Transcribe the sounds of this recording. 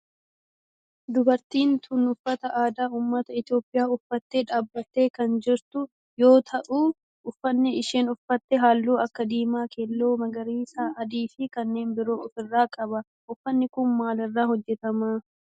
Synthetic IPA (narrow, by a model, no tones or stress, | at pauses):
d̪ʊbɐɾt̪iːnt̪ʰʊnʊfːɐt̪ɐʔaːd̪aːuːmːɐt̪ɐɪt̪ɪjo̞ːpʼːɪjaːʊfːɐt̪ːeːᶑaːbːɐt̪ːe̞ːkɐnd͡ʒɪɾt̪ʊ | jo̞ːt̪ʰɐʔuː | ʊfːɐnːɪɪʃeːnʊfɐt̪ːɛɦaːlːuːɐkːɐd̪iːmaːkelːo̞ːmɐɡɐɾiːsaːʔɐd̪iːfɪkɐnːe̞ːnbɪɾo̞ːɔfɪrːaːkʼɐbɐ | ʊfːɐnːɪkʊnmaːlɐrːaːhɔd͡ʒːɛt̪ɐmaː